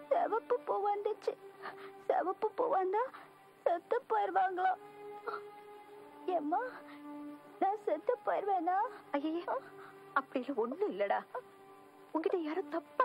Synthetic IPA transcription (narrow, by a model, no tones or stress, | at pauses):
sɛʋɐpːɯpoːʋand̪ɯt͡ʃːɯsɛʋɐpːɯpo̰ːʋaːnd̪aː | sɛt̪ːɐpːɐɾʋaːŋɡɐɭãː | eːmaː | nãːsɛt̪ːɐpːɐɾʋẽːnaːɐjɐje | ɐpːɐɽɪjɪlɐɔnːɯɪlːɐɽaː | ʊŋɡɪʈːɐjaːɾɯ̃t̪ɐpːa